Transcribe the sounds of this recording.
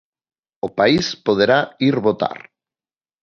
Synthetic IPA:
opaispoðeɾaiɾβot̪a̰ɾ

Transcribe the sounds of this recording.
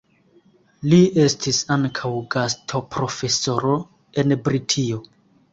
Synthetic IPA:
lie̞stʰisaŋkʰawɡastʰo̞pɾo̞fe̞so̞ɾo̞ | e̞nbɾitʰio

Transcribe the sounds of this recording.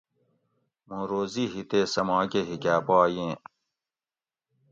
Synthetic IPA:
mõːɾoːziɦit̪esɐmãːkeɦikaːpaːjẽː

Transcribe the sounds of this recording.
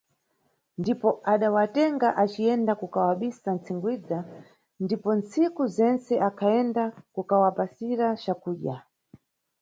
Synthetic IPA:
ndipɔʔaɗawatɛŋɡaʔat͡ʃiɛndakukawaɓisant͡sʰiŋɡwid͡za | ndipɔnt͡sikuzɛnt͡sɛʔakʰaɛndakukawapasiɾat͡ʃakuːʄa

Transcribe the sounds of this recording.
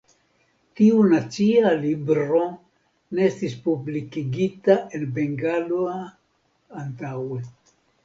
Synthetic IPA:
tiunat͡sialibɾo̞ | neestispublikiɡitaʔe̞nbe̞ŋɡaloaː | ntawe̞

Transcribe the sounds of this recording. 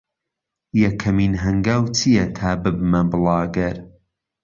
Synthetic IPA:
jɛkʰːɐmiːnɦɐŋɡaːwt͡sʰijɛt̪ʰaːbɨb̚mɐbɨlˠɑːɡɐɾ

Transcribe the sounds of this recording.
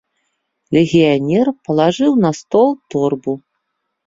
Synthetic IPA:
lʲɛɣʲijanʲɛrpɐlˠaʐɨwnɐst̪ɔlˠt̪ɔrbu

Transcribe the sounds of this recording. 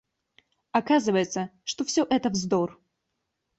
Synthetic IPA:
akazɨvəjɪt̪səʂt̪ofsʲoʔɛt̪əvzd̪or

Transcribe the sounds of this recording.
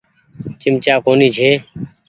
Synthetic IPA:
t͡ʃɪmt͡ʃaːkoːniːt͡ʃʰeː

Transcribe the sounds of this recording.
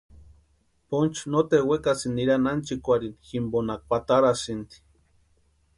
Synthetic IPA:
pont͡ʃnot̪ewekasinːiɾanant͡ʃikʷaɾinximbonak̚pat̪aɾasint̪i̥

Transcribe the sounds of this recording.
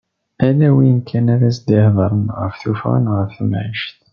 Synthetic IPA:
ælæwiənkʰːænæɾæs̬d̪ihðˤəɾˤənʁə̰fθufʁa̰nʁəfθəmʕḭʃt̪

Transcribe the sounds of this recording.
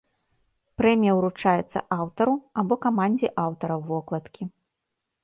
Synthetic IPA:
pɾɛmʲijɐwɾut͡ʂajɛt̪sːɐ̰ʔawt̪ɐɾuabɔkamanʲd͡zʲiʔawt̪ɐɾɐwvɔklˠɐt̪kʲʰi

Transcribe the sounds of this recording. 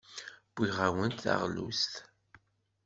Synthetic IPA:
b̥iʁawənt̪θa̰ʁlṵst̪

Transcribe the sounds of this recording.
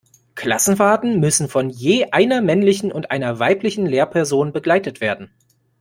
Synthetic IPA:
kʰl̥asn̩faːtn̩mʏsn̩fɔnjeːʔaɪnɐmɛnlɪçn̩ʊntʔaɪnɐvaɪplɪçn̩leːɐpʰɛɐzoːnbəɡlaɪtətv̥eːɐdn̩

